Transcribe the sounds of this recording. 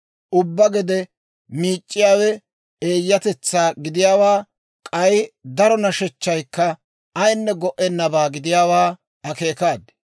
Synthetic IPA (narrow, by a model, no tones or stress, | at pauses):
ʔʊbːɐɡɛd̪ɛ | miːt͡ʃʼːɪjaːwɛ | eːjːɐt̪ɛt͡sːaːɡɪd̪ɪjaːwaː | kʼɐjd̪ɐɾɔnɐʃɛt͡ʃːɐjkːɐ | ɐjnːɛɡɔʔɛnːɐbaːɡɪd̪ɪjaːwaː | ɐke̞ːkaːd̪